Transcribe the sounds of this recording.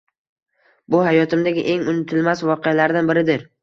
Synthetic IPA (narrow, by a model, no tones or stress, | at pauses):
bʊɦajɒt̪ʰɪmd̪aɡʲɪ̰ʔe̞ŋʊnɪt̪ʰɪlmasvɒqealaɾd̪anbɪɾɪd̪ɪɾ